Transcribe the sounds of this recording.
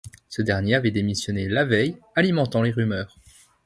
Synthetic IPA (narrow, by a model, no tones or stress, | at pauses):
səd̪ɛʁnjeavɛd̪emisjɔnelavɛjalimɑ̃t̪ɑ̃leʁymœːʁ